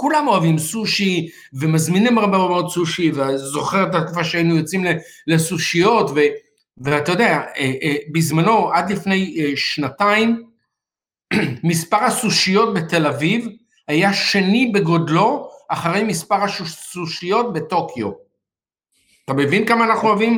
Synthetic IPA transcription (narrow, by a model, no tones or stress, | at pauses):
kulamo̞avimsuʃi | vemazminimaʁbemmeodsuʃiveazo̞χeʁet̪at̪kufaʃeajnujot͡simle | lesuʃijo̞tve | veat̪ajod̪eaeʔbizmano̞ʔad̪lifne̞jʃnataim | ispaʁhasuʃijo̞t̚be̞t̪e̞laviv | hajaʃe̞nibe̞ɡo̞dlo̞ʔaχaʁe̞jmispaʁaʃusuʃijo̞t̚beto̞kʰjo̞ | at̪ame̞vinkamaːnaχnuavim